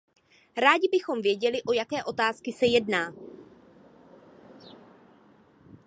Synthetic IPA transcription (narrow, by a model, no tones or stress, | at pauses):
ɾaːɟɪbɪxo̞mvjɛɟɛlɪʔo̞jakɛːʔo̞t̪aːskɪsɛjɛdnaː